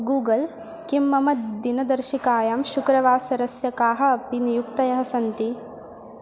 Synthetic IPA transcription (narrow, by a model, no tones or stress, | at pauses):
ɡuːɡɐl | kimːɐmɐt̪d̪inɐd̪ɐɾʃikaːjaːmʃukɾɐʋaːsɐɾɐsjɐkaːɦɐːpinijuk̚t̪ɐjɐɦɐsɐnt̪i